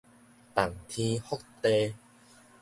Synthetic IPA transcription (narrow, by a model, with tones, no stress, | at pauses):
t̪a˨˩ŋt̪ʰĩ˧hɔ˦˥k̚t̪e˧